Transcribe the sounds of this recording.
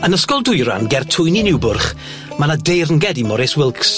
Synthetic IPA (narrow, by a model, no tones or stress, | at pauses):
ənəskɔlˠdʊjɾa̰nɡɛrtʰʊjninɪwbʊrχ | manadejrənɡɛdimɔɾɛswɪlˠks